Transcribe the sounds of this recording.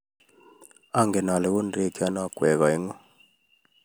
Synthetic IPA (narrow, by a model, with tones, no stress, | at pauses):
a˦ŋɡɛ˨na˨lɛ˨ɡu˦nde˦˨ki˦a˦na˦˨kwɛ˨ɣa˨e˦ŋɔ˦